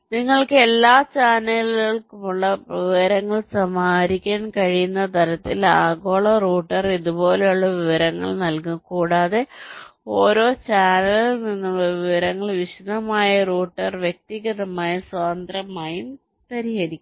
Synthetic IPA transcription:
niŋːɐɭkɨe̞lːaːt͡ɕaːnɐliɣɐɭkumuɭːɐʋiʋɐɾɐŋːɐɭsɐmaːɾikʲːaːɳkɐɻijunːɐt̪ɐɾɐt̪ːilaːɡo̞ːɭɐruːʈːɐriðubo̞ːle̞juɭːɐʋiʋɐɾɐŋːɐ̰ɭnɐlkukuːɽaːðeo̞ːɾo̞ːt͡ɕaːnɐlilninːuɭːɐʋiʋɐɾɐŋːɐɭʋiɕid̪ɐmaːjɐruːʈːɐrʋjek̚t̪iɣɐðɐmaːjɐswaːnd̪rɐmaːjum | tɐɾiɣɐɾikʲːm

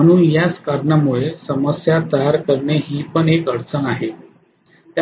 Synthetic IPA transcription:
məɽ̃uːnjaskaɾɳamuɭesəməsjat̪əjaɾkəɾɳeɦiːpəɳekəɽt͡sənaɦe | t̪ja

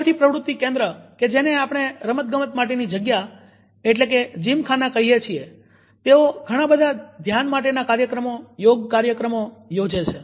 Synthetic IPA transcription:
ɾt̪ʰipɾəʋɾut̪ːikẽnd̪ɾəked͡ʒeneapəɳ̃eɾəmət̪̚ɡəmət̪maʈ̬enid͡ʒəɡja | eʈlek̬ed͡ʒimkʰanakəɦiet͡ʃʰie | t̪eoɡʱəɽ̃abəd̪ʱad̪ʱjanmaʈ̬enakaɾjəkɾəmojoɡkaɾjəkɾəmojod͡ʒet͡ʃʰe

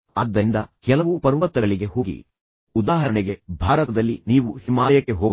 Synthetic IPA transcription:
ɐd̪ːɐind̪ɐkɛlɐʋupɐɾʋɐt̪ːɐɡɐɭiɡe̞ɦoːɡḭ | ud̪aːɦɐɾɐɳɛɡe̞bʱaːɾɐt̪ɐd̪ɐlːiniːʋuhimaːlɐjɐkːe̞ɦoːɡ

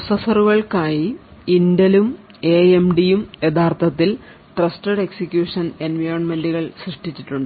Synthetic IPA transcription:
sɐsɐruɣɐɭkaːjiindɐlum | e̞emɖijumje̞d̪aːrt̪ʰɐt̪ːil | ʈrɐstɐɖe̞ksikʲjuːʂɐne̞nʋɐjrɐnme̞nduɣɐɭsriʂʈit͡ɕːiʈːuɳɖɨ

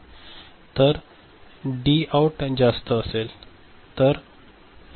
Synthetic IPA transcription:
t̪əɾ | ɖiawʈd͡zast̪əːsel | t̪əɾ

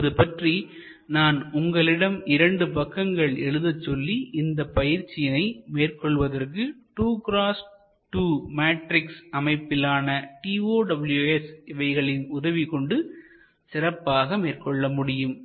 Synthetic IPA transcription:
ɐðɯpɐʈri | naːnʊŋɡɐɭɪɽɐmɪɾɐɳɖɯpɐkːɐŋɡɐɭɛɻɯðɐt͡ʃːɔlːiɪnd̪ɐpɐjɪɾt͡ʃːɪjɐnɐɪmeːrkɔɭʋɐðɐrkɯʈuːkɾaːs | ʈuːmaːʈɾɪksɐmɐɪpːɪlaːnɐʈiːoːɖɐbɐljuesɪʋɐɪɣɐɭɪnʊðɐʋikɔɳɖɯ | sɪrɐpːaːɣɐmeːrkɔɭːɐmʊɽɪjɯm

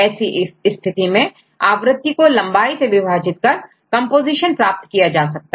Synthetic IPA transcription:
ɛːsiʔɪst̪ʰɪt̪imẽ | aːʋɾɪt̪ːikolɐ̃mbaːiseʋɪbʱaːd͡ʒɪt̪̚kɐɾ | kɐ̃mpoːziːʃənpɾaːp̚t̪kijad͡ʒaːsɐk̚t̪aɦɛ

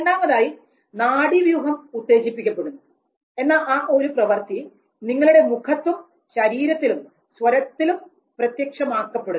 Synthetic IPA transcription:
eɳɖaːmɐðaːji | naːɽiʋjuːɦɐmut̪ːe̞ːɕipːikʲːɐpːeɽunːu | e̞nːaːlaːʔo̞ɾuprɐʋɐrt̪i | niŋːɐɭuɽe̞mukʰɐt̪ːum | ɕɐɾiːɾɐt̪ːilum | swɐɾɐt̪ːilum | prɐt̪jɐkʂɐmaːkːɐpːe̞ɽu

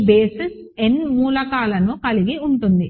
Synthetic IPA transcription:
beːses | e̞nmuːlɐkaːlɐnukɐliɡiuɳʈund̪i

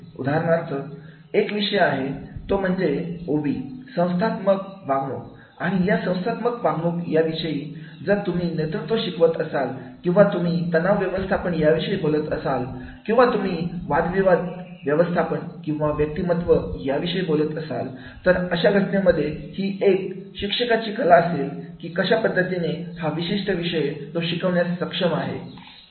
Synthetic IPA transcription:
ṵd̪ʱaɦaɾmaɾt͡sə | ekʋiʂəjaɦet̪om̤əɳd͡zeoʋiːsə̃w̃st̪ʰat̪məɡʋãŋɡo̰k | aɽ̃ijasə̃w̃st̪ʰat̪məɡʋãŋɡokjaʋiʂəiːd͡zəɾt̪um̤iːnet̪ɾut̪ʋəɕikʋət̪əsalkĩw̃ʋat̪um̤iːt̪ənaʋʋjəʋəst̪ʰapəɳjaʋiɕəibolət̪əsal | kĩw̃ʋat̪um̤iːʋad̪ʋiʋad̪ | ʋjəʋəst̪ʰapəɳkĩw̃ʋaʋjək̚t̪imət̪ʋəjaʋiɕəibolət̪əsa̰l | t̪əɾəɕaɡʱəʈneaməd̪ʱːjehiːek̚ɕikʂəkat͡ɕiːkəlaəselkiːkəɕapəd̪ːət̪inehaʋiɕiʂʈəʋiʂəjet̪oɕikəʋɳjasːəkʂəmaɦḛ

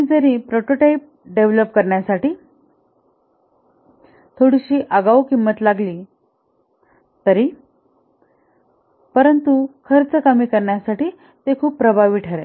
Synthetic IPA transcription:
d͡zəɾĩpɾoʈoʈaip̚ɖeʋləp̚kəɾɳjasaʈiː | t̪ʰoɽiɕiːʔəɡaʋukimːət̪laɡliː | t̪əɾi | pəɾənt̪ukʰəɾt͡səkəmiːkəɾɳjasaʈiː | t̪ekʰuːpːɾəbʱaʋiːʈʰəɾḛ

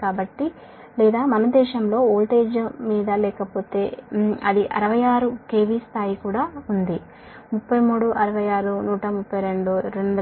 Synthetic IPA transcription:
kaːbɐʈːi | lɛːd̪aːmɐnɐd̪ɛːʃɐmlo̞ːoːlʈe̞ːd͡ʒmiːd̪ɐlɛːkɐpo̞ːt̪e̞ːɐd̪iʔɐ̰ɾɐʋɐjaːɾuke̞ːʋist̪ʰaːjikuːɽaːund̪i | mupːɐjmuːɽuʔɐɾɐʋɐjaːɾunuːʈɐmupːɐjɾe̞ɳɖuɾe̞ɳɖu

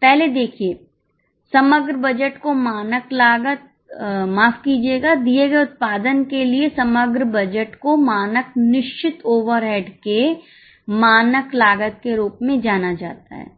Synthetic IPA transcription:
pɛɦled̪eːkʰie | sɐməɡɾəbɐd͡ʒəʈkomaːnəklaːɡət̪̚ | maːfkiːd͡ʒieːɡad̪ieːɡɐeʊt̪̚paːd̪ənkeliesɐməɡɾəbɐd͡ʒəʈkomaːnəknɪʃt͡ʃɪt̪oːʋəɾɦeːɖke | maːnəklaːɡət̪̚keɾuːpmẽd͡ʒaːnad͡ʒa̰ːt̪a̰ɦɛ̰ː

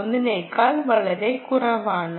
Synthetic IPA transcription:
onːɨneːɭkaːlʋɐɭɐɾe̞kːurɐʋaːɳɨ

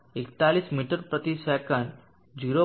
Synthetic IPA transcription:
ekt̪aliːsmiʈəɾpɾət̪isakãn | d͡ʑiɾo

